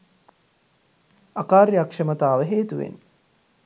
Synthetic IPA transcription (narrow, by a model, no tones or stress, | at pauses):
akaːɾjakʂəmət̪aːʋəɦeːt̪uʋḛn